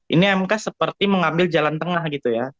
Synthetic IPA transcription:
ʔiniamkahsəpərt̪iməŋambɪld͡ʒalant̪əŋahɡit̪uja

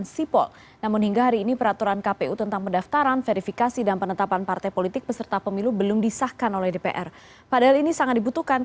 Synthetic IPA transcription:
nsipɔ̰l | namʊnhiŋɡaɦaɾiːnipəɾat̪uɾankapeut̪ənt̪aŋpəndaft̪aɾanfeɾifikasidanpənət̪apanpart̪ajpolit̪ɪk̚bəsərt̪apəmilubəlʊmdisahkanolɛhdepḛʔɛr | padaɦalinisaŋat̪̚dibut̪uhkan

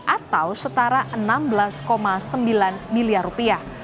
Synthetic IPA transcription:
ʔat̪awsət̪aɾaʔənambəlaskomasəmbilanmiliarupiah

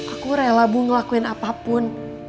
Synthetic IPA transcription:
ʔakuɾajalabuŋəlakuɪnapapʊn

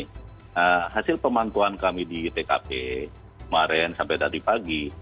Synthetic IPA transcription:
əɦasɪlpəmant̪uankamidit̪eka̰pe | kəmaɾɛnsampɛjd̪at̪ipaɡi

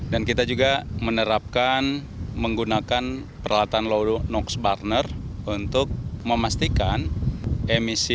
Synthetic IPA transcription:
dankit̪ad͡ʒuɡamənəɾap̚kan | məŋɡunakan | pəɾalat̪anlodonɔksbarnərunt̪ʊk̚məmast̪ikanʔemisi

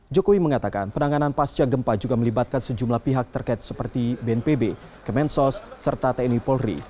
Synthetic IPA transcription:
d͡ʒokowiməŋat̪aka̰npənaŋananpast͡ʃaɡəmpad͡ʒuɡaməlibat̪̚kansəd͡ʒumlahpiɦak̚t̪ərkait̪̚səpərt̪ibeɛnpebe | kəmɛnsɔsːərt̪at̪ɛnipɔlrḭ

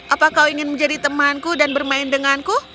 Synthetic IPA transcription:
ʔapakawiŋɪnməɲd͡ʒadit̪əmankudanbərmaɪndəŋanku

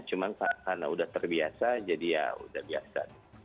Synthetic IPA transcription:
t͡ʃumansaakanaudaht̪ərbiasad͡ʒadija̰ṵdahbiasa̰t̪u̥

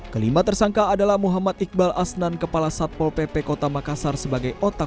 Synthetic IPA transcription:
kəlimat̪ərsaŋkaːdalahmuɦamat̪ik̚balasnankəpalasat̪̚pɔlpepɛkot̪amakasarsəbaɡajɔt̪a

